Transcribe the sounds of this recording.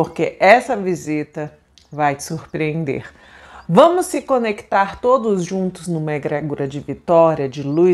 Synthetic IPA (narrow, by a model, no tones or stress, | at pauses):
poɾkeʔɛsɐvizit̪ɐ | vaj̥suɾpɾiẽnd̪ḛɾ | vɐ̃mʊsːɪkõnekt̪aɾt̪od̪ʊzʒũnt̪ʊznʊmeɡɾɛɡuɾɐd͡ʒɪvit̪ɔɾiɐd͡ʒɪlu